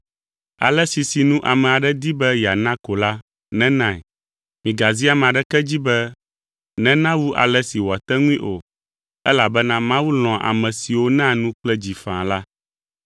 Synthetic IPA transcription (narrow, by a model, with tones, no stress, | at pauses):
a̰˨lɛ˦si˨si˨nũ˦ʔa˨mɛ̃˨a˨ɖɛ˦d̪i˦bɛ˦ja˨nã˦ko˨la˦ | nɛ̃˦nã˦˨ɛ̰˨ | mĩ˨ɡa˨zi˦a˦m̃˨ã˨ɖɛ˦kɛ˦d͡ʑi˦bɛ˦ | nɛ̃˦nã˦wu˦ʔa̰˨lɛ˦si˨wa˨t̪ɛ˦ŋũ˦ĩ˦ʔo̰˨ | ɛ˦la˨bɛ˦nã˦mã˦wu˦l̃ɔ̃˨ʔa̰˨mɛ̃˨si˨wo˦nã˦nũ˦k͡plɛ˦d͡ʑi˨fã̰˨la˦